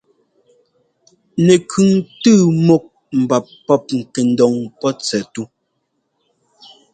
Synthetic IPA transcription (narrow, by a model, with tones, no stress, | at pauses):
ne˨kʰʉ˨ŋtɨ˦˨mo˨k̚ | m̩˨ba˨pː | ɔ˦p̚ŋ̩˨ke˨n̩˦dɔ˨ŋpɔ˦t͡sɛ˨tu˦